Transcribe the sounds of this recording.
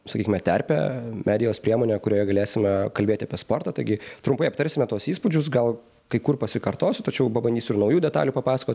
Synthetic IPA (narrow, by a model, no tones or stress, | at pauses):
sɐkʲiːkʲɪmʲɛt̪ʲæɾʲpʲɛ̰mʲʔæːd̪ʲɪjoːspʲɾʲiɛmoːnʲekʊɾʲoːjɛɡɐlʲeːsʲɪmʲɛkɐlʲbʲeːt̪ʲɪɐpʲiɛspoːrt̪ɑːt̪ɐɪɡʲɪt̪ɾʊmpɐɪɐp̚t̪ɐɾʲsʲɪmʲɛt̪uɔsiːspʊd͡ʒʲʊsɡɐlˠ | kɐɪkʊrpɐsʲɪkɐɾt̪oːsʲʊt̪ɐt͡ʃʲɛʊpɐbɐnd̪ʲiːsʲʊɪɾnɐʊjuːd̪ʲɛt̪ɑ̰ːlʲuːpɐpɑːsɐkoːt̪ʲ